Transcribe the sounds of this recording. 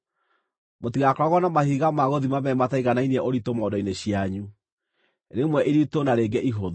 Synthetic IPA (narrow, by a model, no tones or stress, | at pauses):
motiɣakɔɾaɣɔnamahiɣamaɣoðimamɛmataiɣanainiɛʔoɾitomɔːdɔineɕiaɲu | ɾemwɛʔiɾitonaɾeɡɛʔiɦoðo